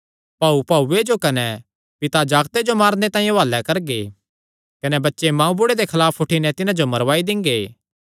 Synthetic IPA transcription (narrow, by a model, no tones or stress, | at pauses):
pɐːupɐued͡ʒokɐnɛ | pɪt̪ad͡ʒaːɡt̪ed͡ʒomaːɾnet̪aːĩjʋaːlːɛkɐɾɡeː | kɐnɛbɐtːʃemãːũbʊɽed̪ekʰɐlaːpʰʊʈʰinɛt̪ɪnãd͡ʒomɐɾʋaːid̪ɪ̃ŋɡeː